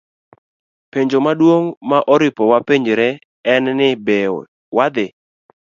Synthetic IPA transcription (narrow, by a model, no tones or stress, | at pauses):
peɲd͡ʒomadwoŋmaʔɔɾɪpɔwapeɲd͡ʒeɾɛ | ɛnnɪbe | wad̪ɪ